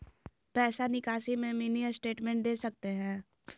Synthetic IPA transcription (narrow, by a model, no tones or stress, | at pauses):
pɛːsanɪkaːʃimẽmiːniəsʈeːʈmɛ̃ɳʈ̚d̪eːsɐk̚t̪eɦɛ̃ː